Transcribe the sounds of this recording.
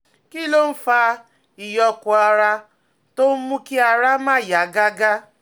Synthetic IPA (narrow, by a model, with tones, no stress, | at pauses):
ki˦lo˦n̩˦faː˦ | i˨jɔ˦kʊ˨a˨ɾa˦ | to˦mu˦ki˦a˨ɾa˦ma˦ja˨ɡa˦ɡa˦